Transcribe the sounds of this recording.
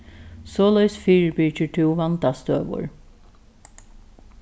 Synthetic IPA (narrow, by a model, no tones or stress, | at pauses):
soːlœʏsfyːɹbyːcəʈʰuːʋɑnd̪ɑst̪øːʋʊ̰ɹ